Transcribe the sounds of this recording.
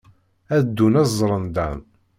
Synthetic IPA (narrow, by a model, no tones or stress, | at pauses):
æd̪ːunæzˤɾˤənd̪æn